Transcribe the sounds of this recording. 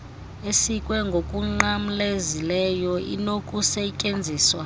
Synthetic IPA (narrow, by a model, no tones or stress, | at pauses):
esikʼwɛŋɡʱokʼuŋ͡ǃam̩lezilɛjɔḭnokʼusɛcʼend͡zʱiːswa